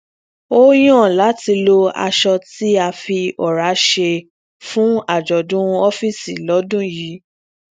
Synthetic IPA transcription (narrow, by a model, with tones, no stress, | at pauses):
o˦j̃ɔ̃˦˨la˨˦ti˧lo˧a̰˧ʃɔ˧ti˦a˧fi˧ɔ˨ɾa˨˦ʃe˧ | fũ˦a˦˨d͡ʒɔ˨dũ˦ɔ˦fi˦˨si˨lɔ˨˦dũ˦ji˨˦